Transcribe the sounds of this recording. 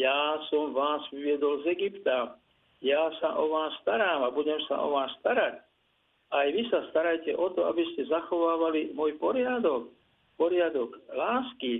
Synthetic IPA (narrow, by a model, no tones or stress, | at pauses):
jaːsɔmʋaːzʋiʋɪɛd̪ɔlzɛɡipt̪a | jaːsaʔɔʋaːsːt̪aɾaːmabuɟɛmsa̰ʔɔ̰ʋaːsːt̪aɾac | ʔajʋisast̪aɾajcɛʔɔt̪ɔa̰biscɛzaxɔʋaːʋalimɔjpɔɾɪad̪ɔk | pɔɾɪad̪ɔɡlaːski